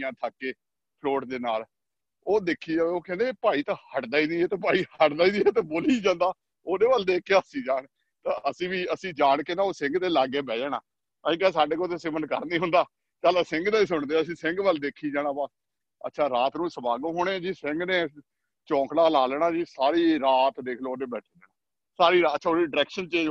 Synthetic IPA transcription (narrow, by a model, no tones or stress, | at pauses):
ãːt̪ʰaːkːeː | pʰloːʈd̪eːnaːl | oːd̪ekʰːiːd͡ʒaːʋeːoːkɛ̃ːnd̪eːpaːiːt̪aːhəʈd̪aːiːd̪iːeːt̪aːpaːiːhəʈd̪aːiːd̪iːeːt̪eːboːliːd͡ʒãːnd̪aː | oːdeːbəld̪eːkeəsiːd͡ʒaːɳ | t̪aːʔəsĩːʋiːəsĩːd͡ʒaːɳkeːnaːoːsɪ̃ŋɡd̪eːlaːɡeːbɛːd͡ʒːnaː | t̪ãːĩːkaːs̬aːɖeːkoːt̪eːsɪʋənkə̰ɾniːɦʊ̃nd̪aː | t͡ʃaːlasɪŋɡd̪aːiːs̬ʊɳd̪eːəsĩːsɪ̃ŋɡbəld̪eːkʰiːd͡ʒaːnãːbas | ə̰tːʃʰaːɾaːt̪nũːsəbaːɡõːɦoːɽeːd͡ʒiːsɪ̃ŋɡneː | t͡ʃɔ̃ːkɽaːlaːlɛːɳãːd͡ʒiːsaːɾiːɾaːt̪d̪eːkʰloːd̪eːbɛːʈʰiːdɛːnaː | saːɾiːɾaəːʃʰaːoːɖəɾɛːkʃənt͡ʃeː